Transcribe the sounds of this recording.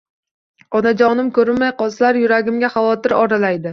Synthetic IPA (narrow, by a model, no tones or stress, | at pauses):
ɒnad͡ʒɒnɪmkʲɵɾɪnmajqɒlˠslaɾjʊɾaɡʲɪmɡʲaχɑvɒt̪ɪɾɒɾalajd̪ɪ